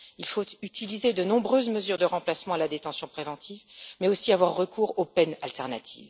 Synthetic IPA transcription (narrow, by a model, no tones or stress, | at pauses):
ilfot̪yt̪ilized̪ənɔ̃bʁøzməzyʁd̪əʁɑ̃plasmɑ̃alad̪et̪ɑ̃sjɔ̃pχevɑ̃t̪ʰivmɛosiavwaʁːəkuːʁopɛnalt̪ɛʁna̰t̪ʰḭːv